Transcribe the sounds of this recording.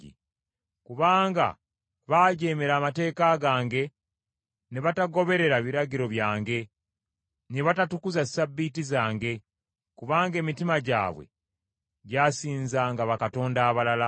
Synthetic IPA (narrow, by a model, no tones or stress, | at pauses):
ḭ | kuβaːŋɡa̰ | βaːɟeːmeɾaːmate̞ːkaɡaːŋɡe̞ | neβataɡo̞βe̞ɾe̞ɾaβiɾaɟiɾo̞βjaːŋɡe̞ | neβatatukuzasabːitizaːŋɡe̞ | kuβaːŋɡe̞ːmitimaɟa̰ːβwḛ | ɟaːsiːnzaŋɡaβakato̞ːndaːβalala